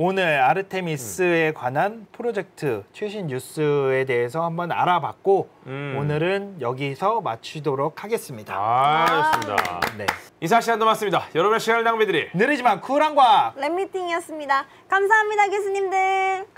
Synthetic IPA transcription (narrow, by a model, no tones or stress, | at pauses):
onɯɾaɾɯtʰe̞mis͈ɯe̞kwanɦanpʰɯɾod͡ʑe̞k̚tʰɯt͡ɕʰweɕʰinːjus͈ɯe̞de̞ɦes̬ʰʌhambʌna̰ɾabak̚k͈o | onɯɾɯnjʌɡisʰʌmat͡ɕʰidoɾokʰaɡe̞s͈ɯmɲida̰smɲda̰nḛis̬ʰaɕʰiandomas͈ɯmɲidajʌɾʌbuneɕʰiɡanɭnaŋmedɯɾinɯɾid͡ʑimankʰuɾaŋɡwaɾemːitʰiŋiʌs͈ɯmɲida | kamsʰaɦamɲidakes̬ʰɯɲimdɯ